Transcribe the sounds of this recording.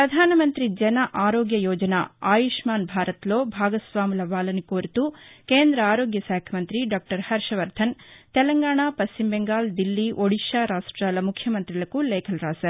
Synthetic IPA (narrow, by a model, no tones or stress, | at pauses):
pɾɐd̪ʱaːnɐmɐnt̪ɾid͡ʒɐnɐʔaːɾoːɡjɐjoːd͡ʒɐna̰aːjiʂmaːnbʱaːɾɐt̪loːbʱaːɡɐsʋaːmulɐʋaːlɐnikoːɾit̪ukeːnd̪ɾɐaːɾoːɡjɐsaːkʰɐmɐnt̪ɾiɖaːk̚ʈɐɾhɐɾʂɐʋɐɾt̪ʰɐnt̪ɛlɐŋɡaːɳaːpɐst͡ʃimbeŋɡaːld̪ilːiʔoɽiʃaːɾaːʂʈɾaːlɐmukʰjɐmɐnt̪ɾilɐkulɛːkʰɐlɾaːsɐ